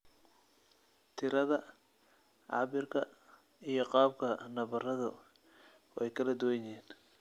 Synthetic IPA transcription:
t̪ʰɪɾɐðɐ | ʕɑ̰ːbɪrkʰɐ | ijɞqɑːb̚kʰɐnɐβɐrɐðʊ | wɛjkʰɐlɐd̪ʊwɛjɪeːn

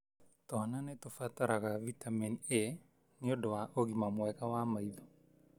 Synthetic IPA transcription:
tɔnanetofataɾaɣavitaminie | neodowaʔoɣimamwɛkawamaiðo

